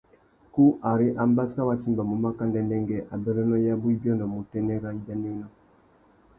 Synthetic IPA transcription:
ku˦ʔa˨ɾi˦ʔa˦mba˦sa˦wa˦ti˦mba˨mu˨ma˦ka˦ndɛ˦ndɛ˦ŋɡɛ˦ʔa˨bɛ˦ɾɛ˦nɔ˦ja˦bu˦i˦bjɔ˦ndɔ˨mu˨tɛ˦nɛ˦ɾa˦da˦nɛ˦nɔ˦

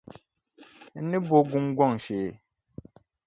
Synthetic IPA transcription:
ni˦bo˦ɡu˦mɡwɔ˦˨ŋʃe˨

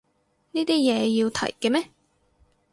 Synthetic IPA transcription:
niː˥t̪iː˥jɛː˨˧jiː˧wt̪ʰɐ̰˨˩jkɛ˧mɛː˥

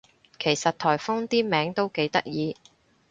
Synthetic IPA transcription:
kʰe˨˩jsɐ˨t̚t̪ʰɔː˨˩jfɔ˥ŋt̪iː˥mɛː˨˥ŋt̪o˥wke˨˥jt̪ɐ˥k̚jiː˨˧

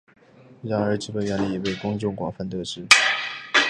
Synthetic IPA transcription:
ɻa˨˩ŋə˞˧˥ʈ͡ʂɻ̩˥˩pə˨˩nɥɛ˥˩nlə˧i˨˥we˥˩ɪkʊ˥ŋt͡ɕʊ˥˩ŋkwɑ̰˨˩ŋfa˥˧nt̪ɤ˥˩ʈ͡ʂɻ̩˥

